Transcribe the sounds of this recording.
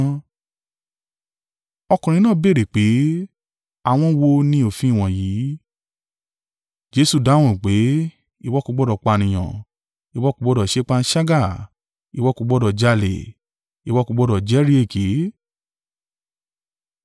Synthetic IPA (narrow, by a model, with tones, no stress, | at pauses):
ɔ˧kũ˨ɾ̃ĩ˧nãː˦˨be˦˨ɾe˨k͡pe˨˦ | a˧w̃ɔ̃˧wo˧nĩ˧˦o˦˨fĩ˦i˦˨w̃ɔ̃˨jiː˨˦ | d͡ʒe˧˦su˦˨da˨˦w̃ɔ̃˦˨k͡pe˨˦ | i˧˨wɔ˦ku˧ɡ͡bɔ˦dɔ˧˨k͡pa˧˨nĩ˨j̃ã̰˨ | i˨wɔ˦ku˧ɡ͡bɔ˦dɔ˧˨ʃe˦k͡pa˦˧n̩˦ʃa˦ɡa˦˨ | i˨wɔ˦ku˧ɡ͡bɔ˦dɔ˧˨d͡ʒa˧lḛ˨ | i˨wɔ˦ku˧ɡ͡bɔ˧˦dɔ˨d͡ʒɛ˨˦ɾi˦e˦˨ke˨˦